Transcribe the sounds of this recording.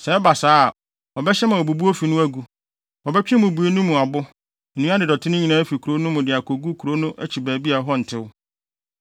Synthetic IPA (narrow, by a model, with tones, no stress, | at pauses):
sɛ̃˨ɛ˦ba˨saː˦˨ | ɔ˨bɛ˦ɕɛ˦mã˨ɔ˨bu˨bu˦o˦fi˨nʊ̃˦æ˦ɡu˦ | ɔ˨bɛ˦t͡ɕᶣɪ̃˦mʊ̃˨bu˨e˦nũ˦mũ˨a˨bʊ˦˨ | nũ˦a˦dɪ˨dɔ˨tʰɪ˦nʊ̃˦ɲĩ˨nã˦fi˨kʰu˨ɾo˦nʊ̃˦mʊ̃˨dɪ˨a˨kʰo˨ɡu˦kʰu˨ɾo˦nʊ̃˦ʔæ̰˦t͡ɕʰi˨bæː˨bi˦a˨˦ɦɔ˦n̩˨tʰɪ˦wʊ˦